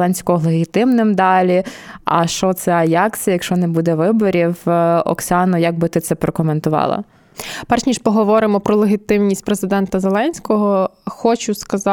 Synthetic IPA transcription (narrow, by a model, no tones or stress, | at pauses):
lˠɛnʲsʲkɔɦɔlˠeɦʲit̪ɪmnɪmd̪ɑlʲiɐ̰ʃt͡ʃɔt̪sɛɐjɑksʲijɐjɐkʃt͡ʃɔnɛbud̪ɛʋɪbɔɾʲiwɔ̰ksʲɑnɔjɐɡ̚bɪt̪ɪt̪sɛpɾɔkɔment̪ʊʋɑ̰lˠɐ̰ | pɛrʃnʲiʃpɔɦɔʋɔɾɪmɔpɾɔlˠeɦʲit̪ɪmnʲisʲtʲpɾezɪd̪ɛnt̪ɐzelˠɛnʲsʲkɔɦɔxɔt͡ʃʊskɐzɑ